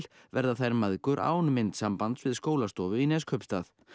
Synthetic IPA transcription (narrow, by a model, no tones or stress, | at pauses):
l̥ | vɛɾðaθajɾmaðkʏɾʔa̰ːwnmɪnt̪sampant̪svɪðskoːwlast̪ɔːvʏinɛskʰœpst̪aθ